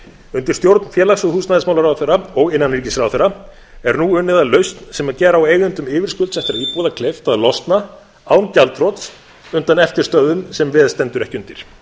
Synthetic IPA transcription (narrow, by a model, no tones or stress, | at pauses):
ʏnt̪ɪ̥ɾ̥st̪jowɾt̪nfjɛːlaksʏhuːsnaðɪsmawlaɾawθeɾaɔɣɪnːanɾiɾcɪsɾawθeɾa | ɛɾnuʏnːɪðalœɥst̪nsɛmacɛːɾaweːjɣʏnt̪ʏmɪːvɪɾ̥skʏlt̪sɛht̪ɪɾaipuːðakʰlɛft̪aðlɔst̪na | aːwncalt̪fɾɔt̪s | ʏnt̪anɛft̪ɪɾ̥st̪œðʏmsɛmvɪːðst̪ɛnt̪ʏɾɛhcʏnt̪ɪɾ̥